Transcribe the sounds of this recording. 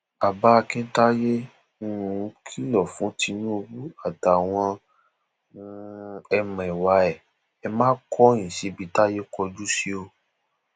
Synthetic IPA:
a˨ba˧˦˧kĩ˦ta˦je˦ | nũ˧ũ˨˧˦kʰi˦ɔ˨fũ˨˦ti˧nũ˦o˧bu˦a˦˨ta˨w̃ɔ̃˧ | ɛ˧mã˨i˨wa˨˧˦ɛ˨ | ɛ˧mãː˦kʰɔ˦j̃ĩ˨si˨˦bi˧˦ta˦je˦kɔ˧d͡ʒu˦si˦o˧

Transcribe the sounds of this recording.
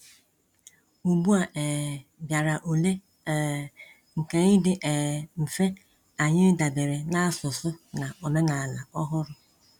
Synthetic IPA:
u˨bu˦a˨ʔɛː˨bja˨ɾa˨ʔo˨le˦˨ | ŋ̩˨ke˨ɲɪ˦dɪ˨ʔɛː˨m̩˨fe˦ | a˨ɲɪ˦da˨be˨ɾe˨na˦a˦sʊ˨sʊ˦na˨ɔ˨me˦na˨la˨ɔ˦ɦʊ˦ɾʊ˦

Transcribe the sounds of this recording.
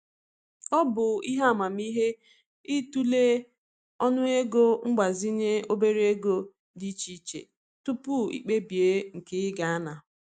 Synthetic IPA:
ɔ˦bʊ˨i˦ɦa˦˨ma˨m˦i˦ɦe˦ | i˦tu˦le˦ | ɔ˦nʊ˦e˦ɡo˦ŋ͡m̩˦ɡ͡ba˨zi˦ɲe˦o˦be˦ɾe˦ɡo˦ | di˦t͡ʃi˦t͡ʃḛ˨ | tʊ˦pʊ˦ḭ˨k͡pe˦bi˨e˦ŋ̩˨ke˦ɪ˦ɡa˨a˦na˨

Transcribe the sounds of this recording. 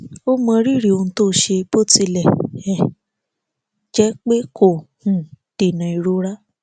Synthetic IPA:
o˦mã˧ɾi˦˨ɾi˨o˧ũ˧to˦˨ʃe˧bo˦ti˧lɛ˦˨ɛ˨ | d͡ʒɛ˨˦k͡pe˦kʰo˦˨hũ˨ | d̥e˨nã˨i˨˧˨ɾo˦ɾa˦

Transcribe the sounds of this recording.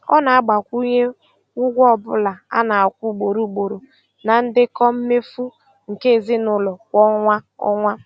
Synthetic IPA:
ɔ̰˦na˨a˦ɡ͡ba˨kʷu˦ɲe˦ | ʊ˦ɡʷɔ˦˨bʊ˦la˨a̰˦na˨a˨kʷu˦˨ɡ͡bo˨ɾu˦ɡ͡bo˨ɾo˨ | na˨n̩˦dɪ˦kɔ˦m̩˦me˦fu˦ | ŋ̩˨ke˦˨zi˦nʊ˦lɔ˨kʷɔ˦ŋʷa˦ɔ̰˦ŋʷa˦

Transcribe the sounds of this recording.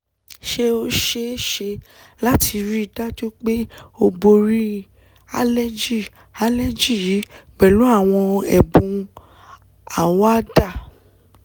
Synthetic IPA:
ʃe˦o˦ʃe˦ʃe˧ | la˦ti˧ɾi˦i˧da˦d͡ʒo˦k͡pe˦o˧bo˧ɾi˦ | a̰˦lɛ˦d͡ʒi˦˨ | a˦lɛ˦d͡ʒi˦˨ji˨˦k͡pɛ˨lu˨˦a˦˨w̃ɔ̃˧ɛ̰˨bũ˧ | a˨wa˦da˦˨

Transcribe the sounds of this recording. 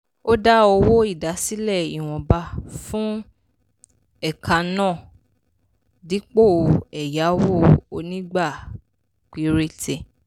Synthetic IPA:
o˦da˦o˧wo˦i˦˨da˨˦si˦lɛ˦˨i˨w̃ɔ̃˨ba˧fũ˦ | ɛ˦˨kʰa˧nãː˦˨ | di˨˦k͡po˦˨˧ɛ˨ja˨˦wo˦˨o˧nĩ˦ɡ͡ba˦˨ | k͡pi˧ɾe˦tʰe˨

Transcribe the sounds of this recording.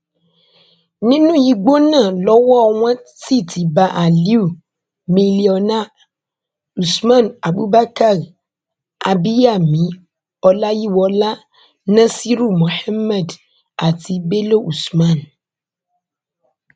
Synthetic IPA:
nĩ˦nũ˦ji˨ɡ͡bo˦nã˦˨lɔ˨˦wɔ˦˨ŋʷ˦ɛ̃˦si˦˨tʰi˨ba˨ʔa˨li˦u˦˨ | mĩ˨li˨ɔ˨na˦ | u˨smã˦˨na˨bu˦ba˦ka˦˨ɾ | a˨bi˦ja˨mĩ˨˦ | ɔ˨la˦ji˦wɔ˦la˦ | nã˦si˦ɾu˦˨mõ˨ħa˦mːɛ˨d | a˨t̪i˨be˦lo˦ʔu˨smã˦˨n

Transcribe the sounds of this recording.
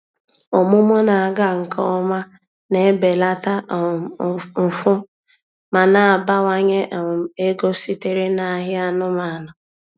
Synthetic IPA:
o˨mʊ˦mʊ˦na˨a˨ɡa˦ŋ̩˨kʰɔ˦ma˦ | ne˨˦be˨la˦ta˦˨m̩˨fʊ˦ | ma˨na˨a˨ba˦wa˦ɲe˦ʔe˦ɡo˦si˦te˦ɾe˦na˨˦ɦɪ˦a˦nʊ˦ma˨nʊ˨

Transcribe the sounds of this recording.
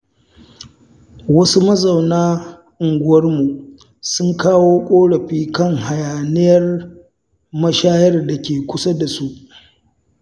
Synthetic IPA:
wɐ˦su˦mɐ˦zɐ˨wnaː˦ | ʔʊ˨ŋɡʷʊ˦wɐ˦rmu˨ | sʊ˦ŋkaː˦woː˦kʷʼoː˦ɽɐ˨ɸiː˦kɐ˦˨ŋha˨jaː˨nɪ˦jɐ˦r | mɐ˦ʃaː˦jɐ˦rda˨kʲeː˨kʷʊ˦sa˦da˨su˦ʔ

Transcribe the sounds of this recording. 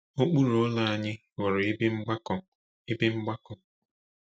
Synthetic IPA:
o˦k͡pu˦ɾo˦la˦a˦˨ɲɪ˦ | ɣʊ˨ɾɪ˨i˦be˦ŋ͡m̩˦ɡ͡ba˦k | i˦be˦ŋ͡m̩˦ɡ͡ba˦kɔ˨

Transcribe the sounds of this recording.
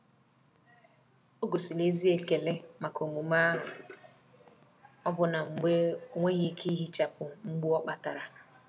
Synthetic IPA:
o˦ɡo˨si˨le˦zi˦e˨ke˨le˦ma˨ko˨mu˨ma˦ | ɔ˦bʊ˨na˨ŋ͡m̩˨ɡ͡be˦o˦ŋʷe˦ɣi˦kʰi˦i˦ɦi˦t͡ʃa˨pʊ˨ŋ͡m̩˦ɡ͡bu˦ɔ˦k͡pa˨ta˨ɾa˨

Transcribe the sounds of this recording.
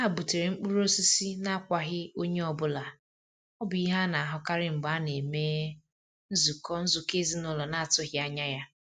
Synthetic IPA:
a˦a˨bu˨te˨ɾe˨ŋ͡m̩˦k͡pu˦ɾo˦si˦si˦na˦a˦kʷa˨ɦɪ˦o˦ɲe˦ɔ˨bʊ˦la˨ | ɔ˦bi˦ɦa˦na˨a˨ɦʊ˨ka˦ɾɪ˦ŋ͡m̩˨ɡ͡ba˨˦ne˨meː˦ | n̩˦zu˨kɔ˦n̩˦zʊ˨ke˦zi˦nʊ˦lɔ˨na˦a˨tʊ˦ɦɪ˨˦a˦ɲa˦ja˦

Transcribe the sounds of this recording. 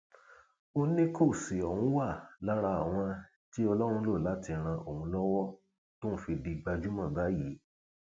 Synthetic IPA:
o˧nĩ˦kʰo˦˨si˨ɔ˨wũ˦wa˦˨la˦ɾa˧a˨w̃ɔ̃˧ | ti˦ɔ˧lɔ˦ɾ̃ũ˧lo˦˨la˨˦ti˧ɾ̃ã˧ʔo˨hũ˧lɔ˦wɔ˦ | to˦n̩˦fi˧di˧ɡ͡ba˧d͡ʒu˦mã˦˨ba˨˦ji˨˦

